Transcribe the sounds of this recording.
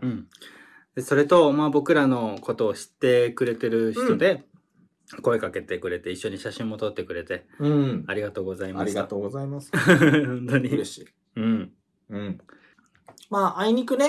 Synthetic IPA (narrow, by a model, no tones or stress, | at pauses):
ɯ̟̃ɴ | d̪eso̞ɾe̞t̪o̞maːbo̞kɯ̟ɾano̞ko̞t̪o̞ːɕi̥t̪ːe̞kɯ̟ɾe̞t̪e̞ɾɯ̟çi̥t̪o̞d̪e̞ | ko̞e̞kake̞t̪e̞kɯ̟ɾe̞t̪e̞iɕːo̞ɲ̟iɕaɕĩmːo̞t̪o̞t̪ːe̞kɯ̟ɾe̞t̪e̞ɯ̃aɾʲiɡat̪o̞ːɡo̞zaimasɾiɡat̪oːɡozaimashõnt̪o̞ɲ̟iei | ɯ̟̃ɴ | ɯ̟̃ | maːaiɲ̟ikɯ̟ne